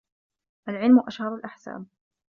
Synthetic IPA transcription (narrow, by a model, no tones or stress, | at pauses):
ʔalʕɪlmʊʔaʃhɑɾˤalʔaħsa̰ːm